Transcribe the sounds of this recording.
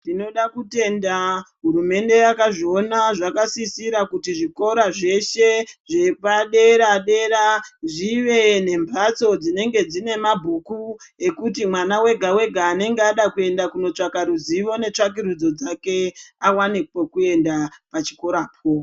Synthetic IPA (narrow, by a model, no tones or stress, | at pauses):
ndino̞ɗakute̞ndaɦuɾume̞nde̞jakaʐio̞naʐakasisiɾakutiʐiko̞ɾaʐe̞ʃe̞ʐepaɗe̞ɾaɗe̞ɾaʐiʋe̞ne̞mbat͡so̞d͡zine̞ŋɡe̞d͡zine̞mabʱuku | e̞kutimwanawe̞ɡʱawe̞ɡʱaːne̞ŋɡeaɗakue̞ndakuno̞t͡ʂakaɾuziʋo̞ne̞t͡ʂak̬iɾud͡zo̞d͡zake̞awanek̚okue̞ndapat͡ʃi̥ko̞ɾap̚ʰo